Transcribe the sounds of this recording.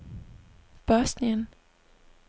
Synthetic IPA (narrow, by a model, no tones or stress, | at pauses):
b̥œːsnɪən